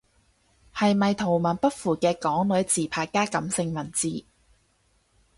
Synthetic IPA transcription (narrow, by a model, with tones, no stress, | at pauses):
hɐ˨jmɐ˨jt̪ʰo˨˩wmɐ˨˩npɐ˥t̚fuː˨˩kɛː˧kɔː˨˥ŋlɵ˨˥ɥt͡siː˨pʰaː˧kːaː˥kɐ˨˥msɪ˧ŋmɐ˨˩nt͡siː˨